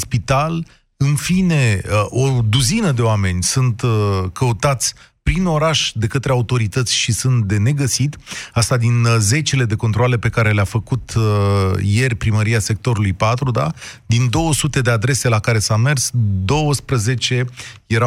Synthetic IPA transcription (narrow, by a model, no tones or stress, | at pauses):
spit̪al | ɨnfine̞ʔod̪uzinəd̪e̞oame̞nʲsunt̪kəut̪at̪sʲ | pɾino̞ɾaʃd̪e̞kət̪ɾeaut̪o̞ɾit̪ət̪sʲʃisunt̪̚d̪e̞ne̞ɡəsit̪ast̪ad̪inze̞t͡ʃele̞d̪e̞ko̞nt̪ɾoale̞pe̞kaɾe̞leafəkut̪ | je̞rʲpɾiməɾiase̞k̚t̪o̞ɾulujpat̪ɾud̪a̰d̪ind̪o̞wəsut̪e̞d̪e̞ad̪ɾe̞se̞lakaɾe̞same̞rsd̪o̞wəspɾəze̞t͡ʃe̞je̞ɾa